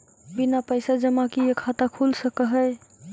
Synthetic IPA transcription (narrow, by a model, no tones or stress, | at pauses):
binapəjsad͡ʒəmakijekʰat̪akʰulsəkəɦəj